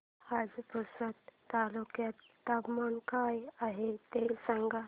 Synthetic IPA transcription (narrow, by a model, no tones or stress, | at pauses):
had͡zpəsət̪ːalukjat̪ːapmankajaɦet̪esãŋɡa